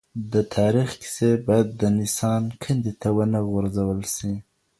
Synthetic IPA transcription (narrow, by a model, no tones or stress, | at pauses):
d̪ət̪ʰɑɾixkɪ̥sebɑjad̪ːənɪsɑnkʰənd̪it̪awənəɣʊɾzawəlsi